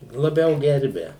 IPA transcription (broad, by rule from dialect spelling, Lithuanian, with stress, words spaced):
lˠɐˈbʲɛʊ ˈɡʲɛrʲbʲɛ